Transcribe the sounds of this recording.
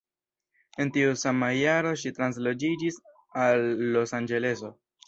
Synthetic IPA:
e̞ntiusamajaɾo̞ʃitɾans̬lo̞d͡ʒid͡ʒis | alːo̞sand͡ʒe̞le̞so̞

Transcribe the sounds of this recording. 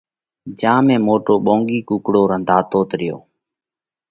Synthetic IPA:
d͡ʒãːmẽːmoːʈoːɓõːŋɡiːkuːkɽoːɾənd̪ʱaːt̪oːt̪ɾɪjo̰ː

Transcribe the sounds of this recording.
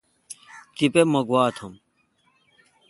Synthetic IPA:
kipemɐɡwaːt̪ʰɐm

